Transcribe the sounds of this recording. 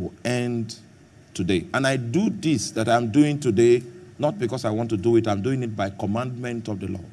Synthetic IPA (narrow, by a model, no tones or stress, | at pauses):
wiɛ̃nd | tʰudeãnaɪduðisðatãj̃mduĩŋtudenɔt̚bikɔsaɪwɔ̃ntuduitãɪ̃mduĩŋit̚baɪkɔmãndmɛ̃ntɔvðəlɔ̰̥